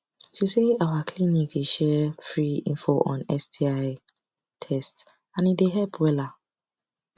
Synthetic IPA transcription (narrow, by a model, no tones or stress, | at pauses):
ʃiseawakʰlinik̚deʃɛfɹiḭ̃nfoʔɔ̰̃nɛstʰiaɪ | tʰɛst | ãnideɦɛlpʰwɛla